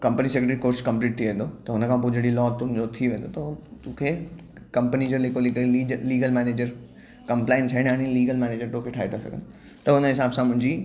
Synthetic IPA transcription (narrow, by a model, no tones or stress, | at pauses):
kɐ̃mpənisekɾʈɾikoːɾskɐ̃mpliːʈt̪ʰiʋẽːnd̪ot̪ɐɦʊnəkʰãpod͡ʑeɽilɔːt̪ʊɦɪ̃nd͡ʑot̪ʰiʋẽːnd̪ot̪ɐt̪ukʰe | kɐ̃mpənid͡ʑoleːkʰolːiliːɡəlmɛːneːd͡ʑəɾ | kɐ̃mplaːɪnsʰɐɪɽ̃aːnĩliːɡəlmɛːneːd͡ʑəɾt̪õkʰeʈʰaːit̪ʰasɐ̰ɡʱə̰̃n | t̪ɐɦʊnəɦɪsaːbsãmʊ̃ɦɪ̃ɲd͡ʑi